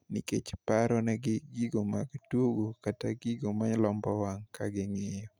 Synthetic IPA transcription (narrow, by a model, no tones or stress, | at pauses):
niket͡ʃpaɾɔnɛɡɪɡiɡomaɡtuɡokataɡiɡomaɲlɔmbɔwaŋkaɡɪŋejɔ